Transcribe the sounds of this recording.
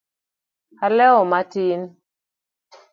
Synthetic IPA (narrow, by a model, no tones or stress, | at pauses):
halɛɔmatin